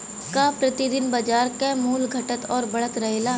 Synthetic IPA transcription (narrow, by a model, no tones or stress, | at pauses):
kapɾɐt̪ɪd̪ɪnbɐd͡ʒaːɾkemuːlɡʱɐʈət̪ɔːɾbɐɽ̤ət̪ɾɐɦeːlaː